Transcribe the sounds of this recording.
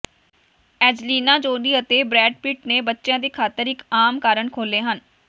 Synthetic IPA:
ɛːd͡ʒliːnãːd͡ʒoːniːət̪eːbɾɛːɖpɪːʈneːbətːʃjãːd̪iːkʰaːt̪əɾɪkaːmkaːɾəɳkʰoːleːɦən

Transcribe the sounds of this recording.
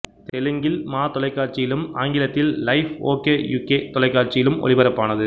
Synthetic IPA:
t̪ɛlɯŋɡɪlmaːt̪ɔlɐɪkːaːɾt͡ʃɪjɪlɯmaːŋɡɪlɐt̪ːɪlːɐɪfo̰ːkeːjuːkeːt̪ɔlɐɪkːaːɾt͡ʃɪjɪlɯmɔ̰ɭɪbɐɾɐpːaːnɐðɯ

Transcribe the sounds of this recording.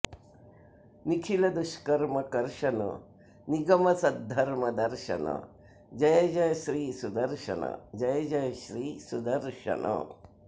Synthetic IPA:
nikʰilɐd̪uʃkɐɾmɐkɐɾʃɐnɐ̰ | niɡɐmɐsɐd̪ʱːɐɾmɐd̪ɐɾʃɐ̰nɐ̰ | d͡ʒɐjɐd͡ʒɐjɐʃɾiːsud̪ɐɾʃɐ̰nɐ̰d͡ʒɐjɐd͡ʒɐjɐʃɾiːsud̪ɐɾʃɐ̰nɐ̰

